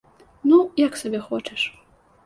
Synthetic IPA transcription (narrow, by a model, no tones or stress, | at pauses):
nujaksɐbʲɛxɔt͡ʃɛʂ